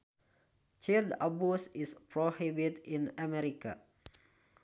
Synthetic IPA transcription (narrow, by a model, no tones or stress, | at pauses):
t͡ʃildabusispɾohibitĩnəmɛɾika̰